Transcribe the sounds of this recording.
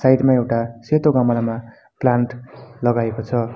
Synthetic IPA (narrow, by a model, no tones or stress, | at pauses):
sajʈmaewʈaset̪oɡʌmʌlama | plaɳʈlʌɡaekot͡sʰʌ